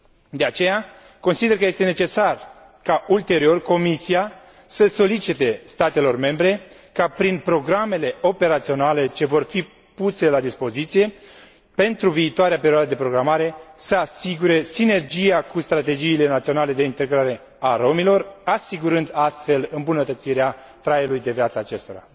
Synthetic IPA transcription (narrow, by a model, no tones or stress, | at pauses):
d̪e̞at͡ʃe̞ja | ko̞nsid̪erk̬əjest̪e̞ne̞t͡ʃe̞sar | kault̪e̞ɾio̞rko̞misia | səso̞lit͡ʃit̪e̞st̪at̪e̞lo̞rme̞mbɾe̞ | kapɾinpɾo̞ɡɾame̞le̞o̞pe̞ɾat̪sio̞nale̞t͡ʃe̞vo̞rfi | puse̞lad̪ispo̞zit̪sije̞ | pe̞nt̪ɾuviːt̪oaɾeape̞ɾiowad̪əd̪e̞pɾo̞ɡɾamaɾe̞səasiɡuɾe̞sine̞rd͡ʒijakust̪ɾat̪e̞d͡ʒiːle̞nat̪sio̞nale̞d̪e̞int̪e̞ɡɾaɾe̞ | aɾo̞milo̞rasiɡuɾɨnd̪ast̪fe̞lɨmbunət̪ət̪siɾea | t̪ɾajelujd̪e̞vjat̪saːt͡ʃe̞st̪o̞ɾa̰